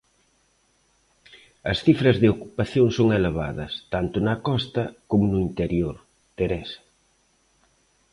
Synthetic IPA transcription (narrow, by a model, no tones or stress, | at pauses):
ɐsθifɾɐzðɪokupaθjoŋsoŋeleβa̰ðɐ̰st̪ant̪ʊnɐkɔst̪ɐkomʊnʊint̪eɾjoɾ | t̪eɾɛs